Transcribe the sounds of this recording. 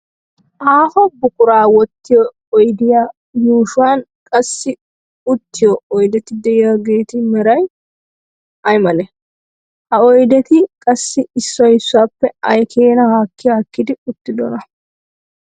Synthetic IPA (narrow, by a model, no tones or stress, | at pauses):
ʔaːhɔbʊkʊɾaːwɔt̪ːɪjɔː | jd̪ɪjaː | juːʃʊwaːn | kʼɐsːɪ | ʊt̪ːɪjɔɔjd̪ɛt̪ɪd̪ɛɪjɐɡe̞ːt̪ɪmɛɾɐj | ɐjmɐlɛ | hɐɔjd̪ɛt̪ɪkʼɐsːɪɪsːɔjɪsːʊaːpːɛɐjkʰeːnɐhaːkːɪjaːkːɪd̪ɪʊt̪ːɪd̪ɔ̰nɐ